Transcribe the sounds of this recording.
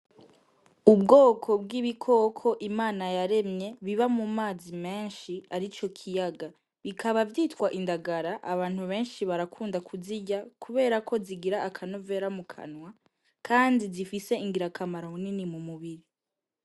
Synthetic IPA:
ubɡoːkʰo̞bɡiβikʰo̞kʰo̞ʔimaːnajaɾe̞mɲe̞βiβamumaːzime̞ːnʃiaɾit͡ʃo̞kʰijaɡa | βikʰaβavjiːtkwaʔindaɡaɾaʔaβaːn̥huβe̞ːnʃiβaɾakʰuːndakʰuziɟakuβe̞ːɾakʰo̞ziɡiɾaʔakʰano̞ve̞ːɾamukʰa̰nwa | kʰaːndizifise̞iŋɡiɾakʰamaɾomuninimumuβiɾi

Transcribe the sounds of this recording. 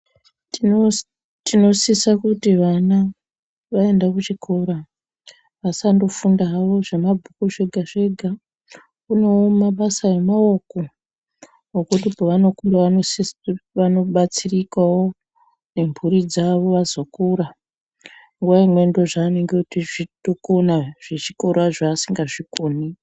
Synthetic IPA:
tino̞sisakutiʋana | ʋae̞ndakut͡ʃikʰoɾa | ʋasando̞fundaːʋo̞ʐemabʱukuʐe̞ɡʱaʐe̞ɡʱa | kune̞womaɓasaje̞mao̞ko | ŋokutipoʋano̞kundaʋanosisʋano̞ɓat͡sirikawo | ne̞mbʱuɾid͡zaʋo̞ʋazo̞kuɾa | ŋɡuʋaimwe̞ndo̞ʐaːne̞ŋɡekutiʐitokonaʐ̥et͡ʃiko̞ɾaʐaːsiŋɡaʐikoːni

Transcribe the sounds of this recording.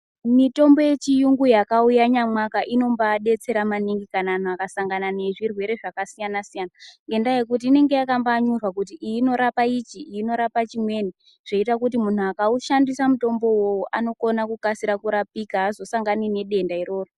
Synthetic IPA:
mito̞mbo̞je̞t͡ʃijuŋɡujakaujaɲamwakaʔino̞mbaɗe̞t͡se̞ɾamaniŋɡikanan̤uakasaŋɡanane̞ʐirwe̞ɾe̞ʐakasijanasijanaŋɡe̞ndaje̞kut̬iːne̞ŋɡe̞jakambaɲurwakut̬iʔiːno̞ɾapait͡ʃiiːno̞ɾapat͡ʃimwe̞ːni | ʐ̥e̞itakut̬imun̤uakauʃandisamuto̞mbo̞woʔano̞ko̞nakukasiɾakuɾapikaːzo̞saŋɡanine̞ɗe̞ndaiɾo̞ːro

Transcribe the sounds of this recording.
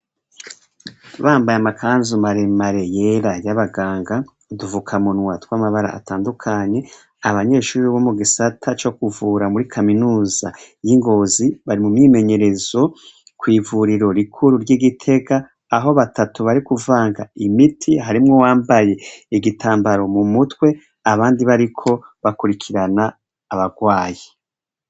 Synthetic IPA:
βaːmbajamakʰaːnzumaɾemaɾe̞jeɾajaβaɡaːŋɡa | duvukʰamunwatwamaβaɾa̰a̰taːndukʰaɲe̞ | aβaɲe̞ːʃuːɾiβo̞muɡisatʰat͡ʃo̞kuvuːɾamuɾikʰaminuːza̰jiŋɡo̞ːziβaɾimumɲime̞ɲe̞ɾe̞zo̞ | kwiːvuɾiɾo̞ɾikʰuɾuɾɟiɡitʰe̞ɡaː | ɦo̞βatatuβaɾikuvaːŋɡaimitʰiɦaɾimŋo̞waːmbaje̞iɡitʰaːmbaɾo̞mumutwe̞ | aβaːndiβaɾikʰo̞βakuɾikʰiɾanaː | βaɡwaːji

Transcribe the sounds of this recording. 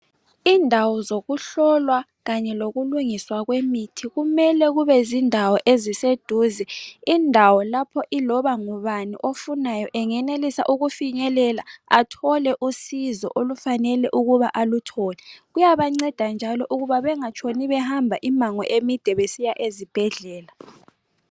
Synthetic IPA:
iːndʱawɔzoɣuɬɔlwa | ɣaɲɛloɣuluŋiswaɣwemitʰiɣumɛlɛɣuβɛzindʱawɔʔezised̥ʱuzɛindʱawɔlapʰɔʔilɔβaŋuβanḭʔofunajɔʔɛŋɛnelisa̰ʔuɣufiɲɛlɛlaatʰɔlɛʔusizɔ̰ʔolufanɛlɛʔuɣuβaʔalutʰɔlɛɣujaβaŋ͡ǀɛd̥ʱand͡ʒʱalɔʔuɣuβaβɛŋat͡ʃʰʼoniβɛhambʱaʔimaŋɔ̰ʔemid̥ʱɛβesijaʔezib̥ʱɛɮɛːla

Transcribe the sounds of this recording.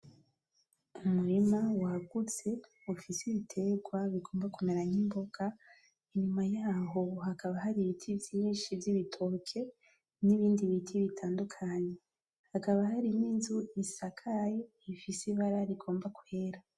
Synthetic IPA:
umuɾimawaɡut͡se̞ | ufisiβitʰe̞ɡwaβiɡo̞ːmbakumeɾaɲimbo̞ɡ̥a | iɲumajaːɦo̞hakaβahaɾiβitʰivjiːnʃivjiβitʰo̞kʰe̞ | niβiːndiβitʰiβitʰaːndukʰaɲe̞ | hakaβaɦaɾiminzuisakʰaje | ifisiβaɾaɾiɡo̞ːmbaku̥he̞ɾa

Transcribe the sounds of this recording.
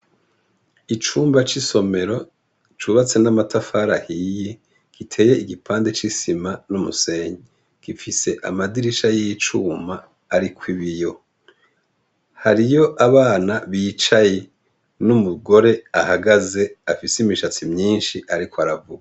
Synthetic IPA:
it͡ʃuːmbat͡ʃiso̞me̞ɾo̞ | t͡ʃuβat͡se̞namatafaːɾahiːje̞ | ɡ̥itʰe̞ːje̞iɡipʰaːnde̞t͡ʃisimanumṵse̞ɲe | ɡ̥ifise̞ʔa̰madiɾiʃajijit͡ʃuːmaː | ɾikwiβijo̞ | haɾijo̞ʔaβaːnaβiːt͡ʃaje̞ | numuɡo̞ɾe̞ahaɡaze̞afisimiʃat͡simɲiːnʃiʔaɾikoaɾavuɡa

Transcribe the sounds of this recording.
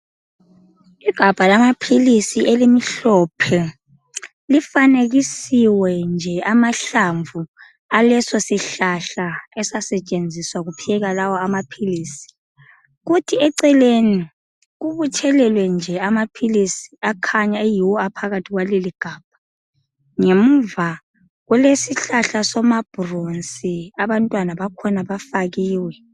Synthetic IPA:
iɡ̥ʱab̥ʱalamapʰilisiʔelimiɬɔpʰɛ | lifaneɣisiwɛnd͡ʒʱɛamaɬaɱvu | alɛsɔsiɬaɬaɛsasɛt͡ʃʼend͡zʱiswaɣupʰiɛɣalawɔamapʰiliːsi̥ | ɣutʰiɛǀɛleni | ɣuβut͡ʃʰɛlɛlwɛnd͡ʒʱɛamapʰilisi̥akʰaɲaejiwɔapʰaɣatʰiɣwaleliɡ̥ʱaːb̥̚ʱa | ŋem̩va | ɣwɛlesiɬaɬasɔmab̥ʱuronsʼiaβantʼwanaβakʰɔnaβafaɣiːwɛ

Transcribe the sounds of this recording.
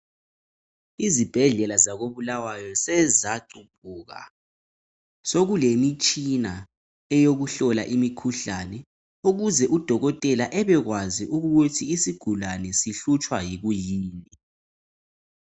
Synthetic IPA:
izib̥ʱɛɮɛlazaɣoβulawajɔsɛzaǃumpʰʼuːɣa̰ | soɣulemit͡ʃʼina | ɛjoɣuɬɔla̰ʔimikʰuɬanɛ | uɣuzɛʔud̥ʱɔɣɔtʼɛlaʔɛβɛɣwaziʔuɣɣutʰiːsiɡ̥ʱulanɛsiɬut͡ʃʼwajiɣujiːni

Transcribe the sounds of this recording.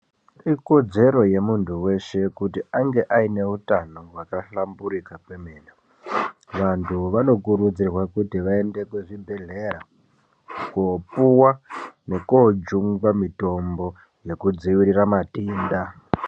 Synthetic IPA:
iko̞d͡ze̞ɾo̞je̞muntʰuwe̞ʃe̞kutiaŋɡe̞ʔaine̞utano̞wakaɬambuɾikakwemeːna | ʋantʰuʋano̞kuɾud͡zirwakutiʋae̞nde̞kweʐibʱe̞ɮe̞ɾa | kopuwane̞kod͡ʒuŋɡwamito̞mbo̞ | je̞kud͡ziwiɾiramatiːnda

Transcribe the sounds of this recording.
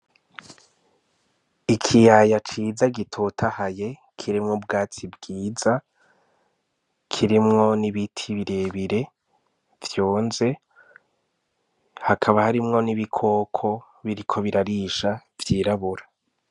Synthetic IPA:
ikʰijajat͡ʃiːzaɡitʰotʰahaje̞ | kʰiɾimŋobɡaːt͡sibɡiːza | kʰiɾimŋo̞niβitʰiβiɾe̞ːβiɾe̞ | vjoːnze̞ | hakʰaβahaɾimŋo̞niβikʰo̞ːkʰo̞ | βiɾikʰo̞βiɾaɾiːʃavjiːɾaβuɾa

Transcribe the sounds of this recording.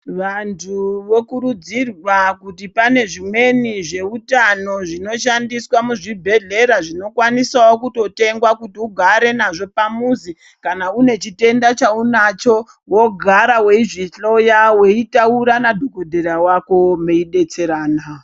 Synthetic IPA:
ʋantʰuʋo̞kuɾud͡zirwakutipane̞ʐimwe̞niʐe̞utano̞ʐino̞ʃandiswamuʐibʱe̞ɮe̞ɾaʐino̞kwanisawokuto̞te̞ŋɡwakutiuɡʱaɾe̞naʐo̞pamuzi | kanaune̞t͡ʃite̞ndat͡ʃaunat͡ʃo̞ | wo̞ɡʱaɾawe̞iʐiɬo̞jawe̞itauɾanadʱokodʱeɾawako̞meiɗe̞t͡se̞ɾaːna

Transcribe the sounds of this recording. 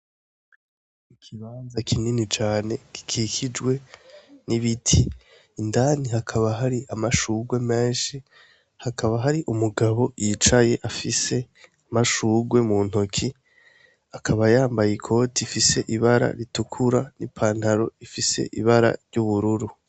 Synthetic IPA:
ikʰiβanzakʰininit͡ʃaːne̞ki̥kʰikʰid͡ʒɡwe̞niβitʰiː | ndaːnihakʰaβaɦaɾiʔamaʃuɡwe̞meːʃi | hakʰaβaɦaɾiʔumuɡaβo̞jit͡ʃaje̞ʔafise̞ | amaʃuːɡwe̞muːn̥hokʰi | akʰaβajaːmbajikʰo̞ːtʰifise̞ʔiβaɾa̰ɾitukʰuɾanipʰaːn̥haɾo̞ifise̞̰ʔḭβaɾa̰ɾɟuβuɾuɾu

